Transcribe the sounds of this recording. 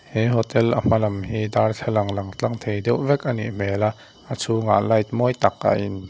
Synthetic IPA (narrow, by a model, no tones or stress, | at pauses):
hɛɦɔt̪ɛlʔam̥ɐlɐmhiːd̪aːrt͡ɬʰɛlɐŋlɐŋt͡ɬaŋt̪ʰejdɛwʔvɛkʔanḭʔm̥ɛːlaʔ | ʔat͡sʰuːŋa̰ʔlɐjt̪̚mɔjt̪ak̚ʔa̰ʔɪn